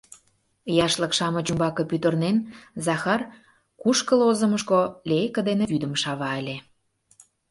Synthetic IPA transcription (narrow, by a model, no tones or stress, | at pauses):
jɑʃlə̆kʃɑmə̆t͡ɕumbɑkɤ̆pyt̪ə̆rnenzɑxɑr | kuʃkəlozə̆mə̆ʃkolʲekə̆d̪eneβyd̪əmʃɑβɑəlʲe